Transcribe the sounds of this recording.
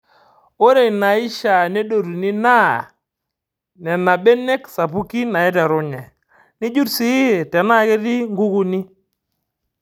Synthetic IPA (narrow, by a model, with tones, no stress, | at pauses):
o˦ɾe˨na˨ɪ˦ʃa˨ne˦do˨ɾu˨ni˦na˦ | nɛ˨na˨bɛ˦ne˦ksa˨pu˦ki˦na˨ɛ˦tɛ˨ɾʊ˦ɲɛ˨ | ni˦d͡ʒu˦tsi˦˨tɛ˨na˦˨ke˦ti˦ŋɡu˦ku˨ni˦